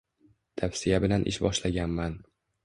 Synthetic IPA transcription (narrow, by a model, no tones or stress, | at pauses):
t̪ʰawsɪjabɪlanʔɪ̰ʃbɒʃlaɡʲanman